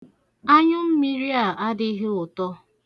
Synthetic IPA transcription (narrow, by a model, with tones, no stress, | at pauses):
a˦ɲʊ˦m̩˦mi˦ɾi˦a˨a˦dɪ˦ɦe˦ʊ˨tɔ˦